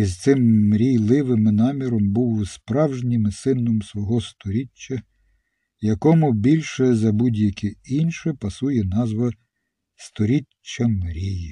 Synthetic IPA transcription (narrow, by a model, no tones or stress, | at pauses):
izt̪sɪmːɾʲijlˠɪʋɪmɪnɑmʲiɾɔmbuwspɾɑwʒnʲɪmɪsɪnɔmsʋɔɦɔst̪ɔɾʲit͡ʃːɐ | jɐkɔmʊbʲilʲʃɛzɐbudʲjɐkʲiinʃɛpɐsujɛnɑzʋɐ | st̪ɔɾʲit͡ʃːɐmɾʲiji